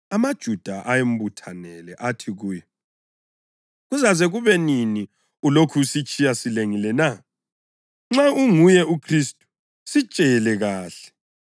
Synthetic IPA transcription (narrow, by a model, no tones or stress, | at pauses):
amad̥ʒ̥ʱud̥ʱaʔajem̩butʰanɛlɛʔatʰiɣuːjɛ | ɣuzazeɣuβɛnini | ulokʰusit͡ʃʼijasileŋilɛna | ŋ͡ǁauŋujɛukʰristʼu̥ | sit͡ʃʼɛlɛɣaːɬɛ̥